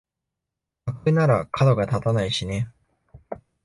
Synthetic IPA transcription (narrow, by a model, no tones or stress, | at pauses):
akɯ̟naɾakʰad̪o̞ɡat̪at̪anaiɕine̞